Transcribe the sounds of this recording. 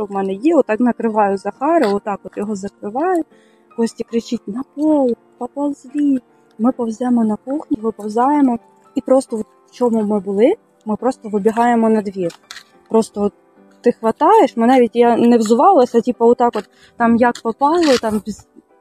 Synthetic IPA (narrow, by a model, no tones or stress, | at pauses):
ʃt͡ʃɔwmɛnɛjiɔt̪ːɑknɐkɾɪʋɑjʊzɐxɑɾɪɔt̪ːɑkɔt̪jɔɦɔzɐkɾɪʋɑjʊ | kɔsʲtʲikɾɪt͡ʃit̚ʲnɐpɔlˠ | pɐpɐlˠzʲʋʲi | mɪpɔwzʲɛmɔnɐkuxnʲiʋɪpɔwzʲɑjemɔ | ipɾɔst̪ɔɔt̪wt͡ʃɔmumɪbʊlˠɪ | mɪpɾɔst̪ɔʋɪbʲiɦɑjemɔnɐd̪ʋʲir | pɾɔst̪ɔ | t̪ɪxʋɐt̪ɑjeʃmɪnɑʋʲitʲjanɛwzʊʋɑlˠɐsʲɐtʲipɐɔt̪ɑkɔt̪ːɑmjakpɔpɑlˠɪt̪ɑmʋʲzʲ